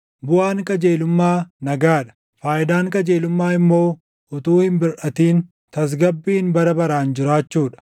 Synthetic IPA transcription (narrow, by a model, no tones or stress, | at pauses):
bʊaːŋkʼɐd͡ʒeːlʊmːaːnɐɡaːᶑɐ̥ | faːʔɪd̪aːŋkʼɐd͡ʒeːlʊmːaːɪmːo̞ː | ʊt̪uːhɪmbɪɾʔɐt̪iːn | t̪ɐs̬ɡɐbːiːnbɐɾɐbɐɾaːnd͡ʒɪɾaːt͡ʃːuːᶑɐ̥